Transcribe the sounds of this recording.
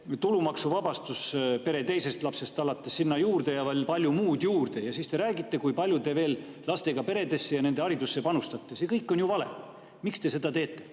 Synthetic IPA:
t̪ulumɑksuvɑb̥ɑst̪uspe̞ɾe̞t̪e̞jse̞st̪lɑpse̞st̪ɑlɑt̪ːesːinːɑjuːrd̪̥e̞jɑvɑlpɑlʲjumuːd̪juːrd̪e̞jɑsist̪e̞ɾæːɡit̪ːˑe̞kujpɑlʲjut̪e̞ve̞ːl | lɑst̪e̞ɡ̥ɑpe̞ɾe̞d̪e̞sːejɑne̞nd̪e̞ɑɾid̪usːe̞pɑnust̪ɑt̪ːesekɤjkːˑo̞njuvɑle̞̰ | mikst̪e̞se̞d̪̥ɑt̪e̞ːt̪ːˑe̞

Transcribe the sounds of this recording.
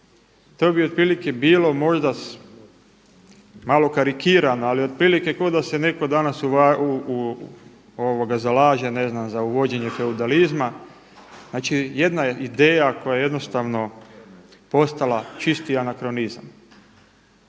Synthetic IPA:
t̪o̞ːbiopɾiːlike̞biːlo̞mo̞ʒd̪as | malo̞kaɾikiːɾanoalio̞d̪̚pɾiːlike̞ko̞d̪ase̞ne̞ko̞d̪anasuʋau | oʋoɡazalaːʒe̞ne̞znamzauʋo̞d͡ʑe̞ɲe̞fe̞ud̪alizma | znaːt͡ʃije̞d̪naeid̪e̞ːjako̞jajeje̞d̪no̞st̪aʋno̞ | po̞st̪alat͡ʃist̪ianakɾo̞niza̰m

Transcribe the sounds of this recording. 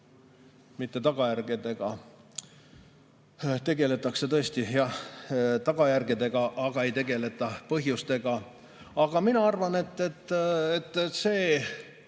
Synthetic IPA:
mit̪ˑːe̞t̪ɑɡ̥ɑjærɡ̥id̪e̞ɡ̥ɑ | t̪e̞ɡ̥e̞le̞t̪ːˑɑkse̞t̪ɤesʲt̪ijɑht̪ɑɡ̥ɑjærɡ̥id̪e̞ɡ̥ɑʔɑɡ̥ɑe̞jt̪e̞ɡe̞le̞t̪ːˑɑpɤɦjust̪e̞ɡ̥ɑ | ɑɡ̥ɑminɑɑrvɑne̞t̪ːet̪ːet̪ːˑse̞ː

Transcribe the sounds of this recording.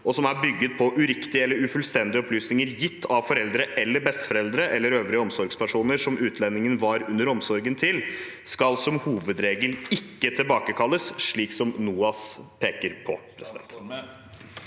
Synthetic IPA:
ʔɔsɔmæɾbʏɡːət̪̚pʰɔʔʉɾɪkt̪ɪəɛlːəɾʉfʉlst̪ɛnd̪ɪəɔpʰlyːsnɪŋəɾjɪt̪ʰːɑʋfɔɾɛld̪ɾəʔɛlːəbɛst̪fɔɾɛld̪ɾəʔɛlːəɾøːʋɾɪəɔmsɔɾɡspʰæʂuːnəɾʂɔmʉːt̪ʰlɛnːɪŋənʋɑɾʉnːəɾɔmsɔɾɡənt̪ʰɪl | skɑlsɔmhuːʋəd̪ɾeːɡəlɪkːət̪ʰɪlbɑːkəkʰɑlːəsʂɭiːksɔmnuːɑspʰeːkəɾpʰɔ̰pʰɾɛsɪd̪ɛ̰nt̪

